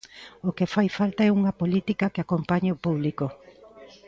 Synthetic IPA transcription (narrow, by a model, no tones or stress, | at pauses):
okefajfalt̪ɐɛuŋɐpolit̪ikɐkeakompaɲaopuβliko